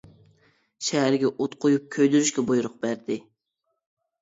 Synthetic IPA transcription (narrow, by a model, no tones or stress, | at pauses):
ʃɛɦæɾɡʲɛʔot̪qʰojup̚kʲʰøjd̪yɾyʃkʲɛbojuɾʊq̚b̥æɾd̪ɪ